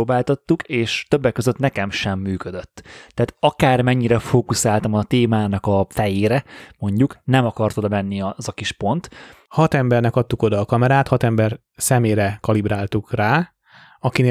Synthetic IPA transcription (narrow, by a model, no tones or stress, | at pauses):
oːbaːlt̪ɒt̪ːukʰeːʃt̪øbːɛkːø̞zøt̪nɛkɛmʃɛmːyːkød̪ø̞t̪ːɛːt̪ɒkaːrmɛɲːiɾɛfoːkusaːlt̪ɒmɒt̪eːmaːnɒkɒfɛjeːɾɛmo̞ɲɟuknɛmɒkɒrt̪od̪ɒmɛnːizɒkiʃpo̞nt̪hɒt̪ɛmbɛrnɛkɒt̪ːuko̞d̪ɒːkɒmɛɾaːt̪hɒt̪ɛmbɛr | sɛmeːɾɛkɒlibɾaːlt̪ukraː | ɒkine